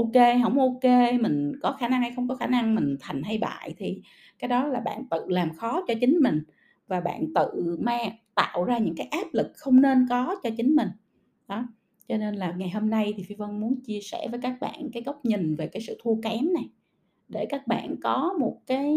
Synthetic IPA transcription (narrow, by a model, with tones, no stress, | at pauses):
ʔo˧ke˧ɦə̰˧˩wŋ͡mʔo˧ke˧mï˨˩ŋ̟kɔ˨˦xaː˧˩na˧ŋha˧jxə˧wŋ͡mkɔ˨˦xaː˧˩na˧ŋmï˨˩ŋ̟t̪ʰa˨˩jŋ̟ha˧jɓa̰ː˧˨jt̪ʰi˨˩ | kaː˨˦jɗɔ˨˦laː˨˩ɓa̰ː˧˨nt̪ɨ̰˧˨laː˨˩mxɔ˨˦t͡ɕɔ˧t͡ɕï˨˦ŋ̟mï˨˩ŋ̟ | vaː˨˩ɓa̰ː˧˨nt̪ɨ̰˧˨maː˧t̪a̰ː˧˨wzaː˧ɲɨ̰˧˥ŋkaː˨˦jʔaː˦˥p̚lɨ˨˩k̚xə˧wŋ͡mne˧nkɔ˨˦t͡ɕɔ˧t͡ɕï˨˦ŋ̟mï˨˩ŋ̟ | ɗɔ˨˦ | t͡ɕɔ˧ne˧nlaː˨˩ŋa˨˩jɦoː˧mna˧jt̪ʰi˨˩fi˧və˧nmu˨˦ənt͡ɕi˧əsɛ̰˧˩vəː˨˦jkaː˦˥k̚ɓa̰ː˧˨nkaː˨˦jɣə˦˥wk͡p̚ɲï˨˩ŋ̟ve˨˩kaː˨˦jsɨ̰˧˨t̪ʰu˧kɛ˨˦mna˨˩j | ɗe˧˩kaː˦˥k̚ɓa̰ː˧˨nkɔ˨˦mo˨˩t̚kaː˨˦j